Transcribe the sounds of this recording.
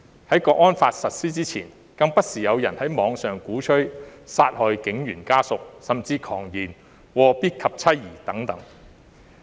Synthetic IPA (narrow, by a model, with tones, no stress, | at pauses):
hɐ˨˥jkɔː˧k̚ːɔː˥nfaː˧t̚sɐ˨t̚siː˥t͡siː˥t͡sʰiː˨˩n | kɐ˧ŋpɐ˥t̚siː˨˩jɐ˨˧wjɐ˨˩nhɐ˨˥jmɔː˨˧ŋsœː˨ŋkuː˨˥t͡ʃʰɵ˥ɥsaː˧t̚hɔː˨˧jkɪ˨˥ŋjyː˨˩nkaː˥sʊ˨k̚sɐ˨mt͡siː˧kʰɔː˨˩ŋjiː˨˩n | wɔː˨˩piː˥t̚kʰɐ˨p̚t͡sʰɐ˥jːiː˨˩t̪ɐ˨˥ŋt̪ɐ˨˥ŋ